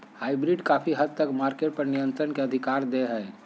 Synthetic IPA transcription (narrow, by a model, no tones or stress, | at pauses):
haːɪbɾiɖkaːpʰiɦəd̪̚t̪əkmaːɾkeʈ̚pɐɾnijə̃nt̪ɾənkeɐd̪ʱikaːɾd̪eɦɛː